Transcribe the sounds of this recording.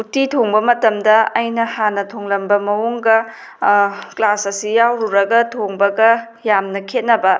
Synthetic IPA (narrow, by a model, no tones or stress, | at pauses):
utitʰoŋbɐmɐtɐmdɐɐjnɐhanɐtʰoŋlɐmbɐmɐwoŋɡɐ | klasɐsijawɾuɾɐɡɐtʰoŋbɐɡɐ | jamnɐkʰet̚nɐbɐ